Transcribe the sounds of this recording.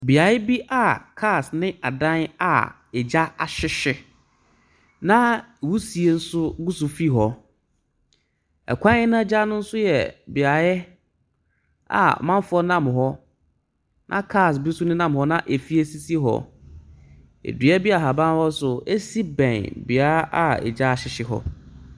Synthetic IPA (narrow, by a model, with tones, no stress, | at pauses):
bi˨a˨ɪ˦bi˦ʔa˨kʰaː˦˨snɪ̃˦ʔa˨dã˦na̰˨ | ɛ˨d͡ʑa˦a˨ɕɪ˦ɕɪ˦ | nã˦˨wu˦si˨e˨n̩˦sʊ˦ɡu˦su˨fi˦ɦɔ˨ | ɛ̰˨kʷʰã˦ɪ̃˦nã˦d͡ʑa˦nʊ̃˦n̩˦sʊ˦jɛ̰˨bi˨a˨ɪ˦ | a̰˨mã˦m˦fʊ˦ɔ˦nã˦mɦɔ˦ | nʔã˦kʰaː˦˨sbu˦su˦nʊ̃˦nã˦˨mhɔ˦nã˦ʔe˨fi˦e˦si˦si˦ɦɔ̰˦ | ḛ˨dɥɛ˦bi˦a˨ɦa˨bã˦n˦hɔ˦sʊ˨e˦si˦bɛ̃˨nbɪ˨a˦ʔa˦ɛ̰˨d͡ʑa˦a˨ɕɪ˦ɕɪ˦ɦɔ̰˦